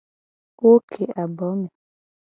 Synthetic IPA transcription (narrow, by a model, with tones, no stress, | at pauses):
wo˦kʰe˨a˨bɔ˨˦mi˨